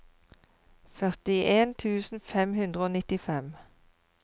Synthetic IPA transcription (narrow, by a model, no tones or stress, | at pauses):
fœʁt̪ɪʔeːnt̪ʰʉːsn̩fɛmhʉnd̪ʁəoːnɪt̪ɪfɛm